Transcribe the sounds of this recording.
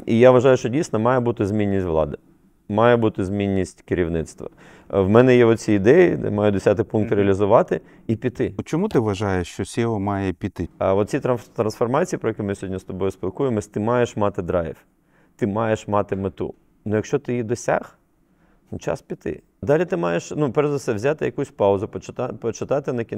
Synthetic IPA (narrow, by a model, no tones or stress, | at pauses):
ijaʋɐʒɑjʊʃt͡ʃɔdʲijsʲnɔmɑjɛbut̪ɪzʲmʲinʲːisʲtʲʋlˠɑ̰d̪ɪ | mɑjɛbut̪ɪzmʲinʲːisʲtʲkɪɾʲiwnɪt̪st̪ʋɐ̰ | ʋmɛnɛjɛʋɔt̪t͡sʲiːd̪ɛjid̪ɛ̰mɑjʊd̪ɔsʲat̪ɪpunk̚t̪ɾʲeɐlʲizʊʋɑt̪ɪ | ipʲit̪ɪt͡ʃɔmut̪ɪʋɐʒɑjeʃt͡ʃɔsʲiɔmɑjɛpʲit̪ɪ̰ʋɔt̪̚t͡sʲit̪ɾɐt̪ɾɐnsfɔrmɑt͡sʲijipɾɔjɛkimɪsʲɔɦɔdʲnʲist̪ɔbɔjʊspʲɪlˠkujɪmɔsʲt̪ɪmɑjeʃmɑt̪ɪd̪ɾɑ̰j̰f | t̪ɪmɑjeʃmɑt̪ɪmet̪ṵ | nʊjɐkʃt͡ʃɔt̪ɪjid̪ɔsʲa̰x | t͡ʃɑ̰spʲit̪ɪ̰ | d̪ɑlʲit̪ɪmɑjeʃnupɛɾzd̪ɐsɛʋzʲat̪ɪjɐkusʲpɑʊzʊpɔt͡ʃt̪pɔt͡ʃɪt̪ɑt̪ɪnɐkʲi